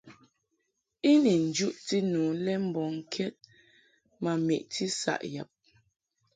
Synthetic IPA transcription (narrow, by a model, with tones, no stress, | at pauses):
i˦ni˨n̩˨d͡ʒu˦ʔti˦nuː˨lɛ˦m̩˦˨bɔ˨ŋ̩˨kʰɛ˦t̚ | ma˨mḭ˨ʔtʰi˦sa̰˨ʔja̰˨p̚